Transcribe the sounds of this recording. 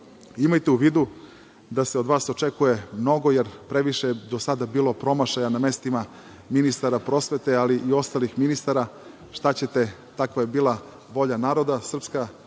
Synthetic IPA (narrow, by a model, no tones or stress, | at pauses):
imajt̪euʋiːd̪u | d̪aseo̞d̪ʋaːso̞t͡ʃekuje̞mno̞ɡo̞jeɾpɾe̞ʋiʃeed̪o̞sad̪abiːlˠo̞pɾo̞maʃajaname̞st̪ima | minist̪aɾapɾo̞sʋe̞t̪ealiʔio̞st̪alixminist̪aɾa | ʃt̪at͡ɕe̞t̪e̞t̪akʋajebiːlˠa | ʋo̞ʎanaːɾo̞d̪asr̩pska